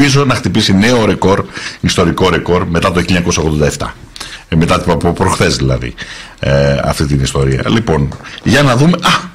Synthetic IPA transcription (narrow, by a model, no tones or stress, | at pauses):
izo̞nɐxt̪ipisine̞o̞ɾe̞ko̞ɾist̪o̞ɾiko̞ɾe̞ko̞ɾme̞t̪ɐt̪oçiʎːɐɲɐkosɐoɣðond̪ɐeft̪ɐ | me̞t̪ɐpopɾoxθe̞zðilɐ̰ðḭ | ɐ̰ft̪it̪inist̪o̞ɾiɐ̰lipo̞nʝɐnɐðume̞ʔɐ